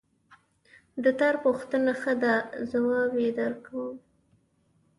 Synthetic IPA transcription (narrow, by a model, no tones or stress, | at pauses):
d̪ət̪ɑɾpuxt̪ənaxəd̪azawɑbed̪əɾkawəm